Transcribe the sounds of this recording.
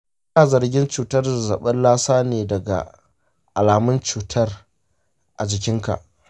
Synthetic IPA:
ʔɐ˦naː˨zɐ˨rɡʲɪ˦nt͡ʃuː˨tɐ˦rzɐ˨ɓɐ˦nlaː˦saː˦neː˨dɐ˨ɡa̰˨ | ʔa˨laː˨mʊ˦nt͡ʃuː˨tʰɐ˦r | ʔa˨d͡ʒɪ˨kʲɪ˦ŋka̰˨ʔ

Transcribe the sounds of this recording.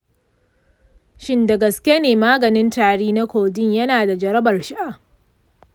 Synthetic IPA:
ʃɪ˦nda˨ɡɐ˨skʲe˦neː˨maː˦ɡɐ˨nɪ˦ntaː˨ɽiː˦na˦kʷoː˨dɪ˦ɲjɐ˦naː˨da˨d͡ʒɐ˨ɾɐ˦bɐ˨rʃɪ˦ʔa˨

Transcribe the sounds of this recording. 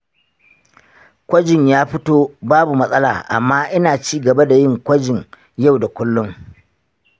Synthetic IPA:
kʷɐ˦d͡ʒɪ˨ɲjaː˦ɸɪ˦toː˦baː˦bu˨mɐ˦sʼɐ˦la̰ː˨ʔa̰˨mːaː˦ʔɪ˦naː˨t͡ʃiː˦ɡɐ˨ba˦da˨jɪ˦ŋkʷɐ˦d͡ʒɪ˨ŋ | ja˦˨wda˨kʷʊ˦lːʊ˦ŋ

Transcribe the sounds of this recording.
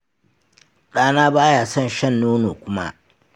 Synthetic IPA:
ɗaː˦naː˦baː˦jaː˨sɔ˦˨nʃɐ˦˨nːoː˦noː˨kʷʊ˦ma̰˦ʔ

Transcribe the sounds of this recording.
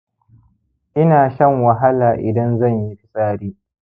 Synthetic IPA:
ʔɪ˦naː˨ʃɐ˦˨ŋwɐ˨ɦa˦laː˨ʔɪ˨dɐ˦nzɐ˦˨ɲji˦ɸɪ˦sʼaː˦ɽiː˦

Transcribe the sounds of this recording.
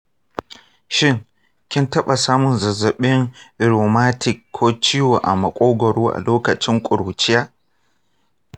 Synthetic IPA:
ʃɪ˦˨ŋ | kʲɪ˦ntɐ˦ɓa˨saː˦mʊ˨nzɐ˨zɐ˨ɓɪ˦ŋ˦ɾoː˨maː˦tʰɪ˨kʰːoː˦t͡ʃiː˦wo˨ʔa̰˨mɐ˨kʷʼoː˦ɡʷɔ˨ɽuː˦ʔa̰˨loː˦kɐ˨t͡ʃɪ˦ŋkʷʼʊ˨ɽuː˨t͡ʃɪ˦jaː˦

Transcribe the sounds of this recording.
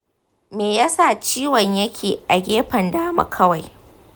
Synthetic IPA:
meː˨ja˦sa˦˨t͡ʃiː˦wɔ˨ɲjɐ˦kʲʰeː˨ʔa˨ɡʲeː˦ɸɐ˨ndaː˦mɐ̰˨kʰɐ˦wa˨j

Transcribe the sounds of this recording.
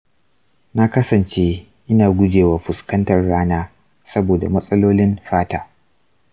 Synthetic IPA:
na˦kɐ˦sɐ˨nt͡ʃeː˦ | ʔɪ˦naː˨ɡʷʊ˦d͡ʒeː˨waː˨ɸʊ˨skɐ˦ntɐ˨rːaː˦naː˦ | sɐ˦boː˨da̰˨mɐ˦sʼɐ˦loː˦lɪ˦mɸaː˦taː˦

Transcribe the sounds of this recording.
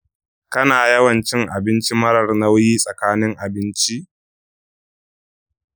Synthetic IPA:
kɐ˦naː˨jɐ˦wɐ˨nt͡ʃɪ˦ŋʔa˨bɪ˦nt͡ʃi˦mɐ˦ɽɐ˨rnɐ˦wjiː˦sʼɐ˨kaː˦nɪ˦ŋʔa˨bɪ˦nt͡ʃi˦ʔ

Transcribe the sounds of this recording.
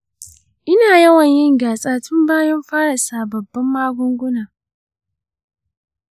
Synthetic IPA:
ʔɪ˦naː˨jɐ˦wɐ˨ɲjɪ˦ŋɡaː˨sʼaː˦tʊ˦mbaː˦jɐ˦mɸaː˦ɽɐ˨saː˨bɐ˨bːɐ˦mːaː˦ɡʷʊ˦ŋɡʷʊ˦naː˨

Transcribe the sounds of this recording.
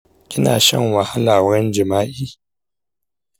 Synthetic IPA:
kʲʼɪ˦na̰ː˨ʃɐ̰˦˨ŋwɐ˨ha˦laː˨wɽɐ˦nd͡ʒɪ˨maː˦ʔiː˦

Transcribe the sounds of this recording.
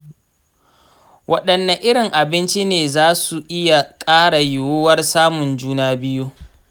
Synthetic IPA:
wʔɐ̰˦ɗɐ˨nːɐ˨ʔɪ˦ɽɪ˨ŋʔa˨bɪ˦nt͡ʃi˦neː˨zaː˦su˨ʔɪ˦ja˨kʼaː˦ɽa˨jʊ˨woː˦wɐ˦rsaː˦mʊ˨nd͡ʒuː˦naː˦bɪ˦ju˦

